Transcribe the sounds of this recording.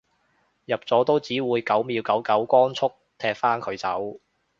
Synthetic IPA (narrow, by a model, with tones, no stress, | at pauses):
jɐ˨p̚t͡sɔː˨˥t̪o˥wt͡siː˨˥wuː˨˧jkɐ˨˥wmiː˨˧wkɐ˨˥wkɐ˨˥wkɔː˥nt͡sʰʊ˥k̚t̪ʰɛː˧k̚faː˥nkʰɵ˨˧ɥt͡sɐ˨˥w